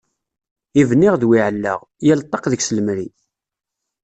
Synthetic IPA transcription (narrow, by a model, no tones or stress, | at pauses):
ivənːɪʁðwiʕəlːə̰ʁ | jælt̪ˤːɑqðəɡsləmɾḭ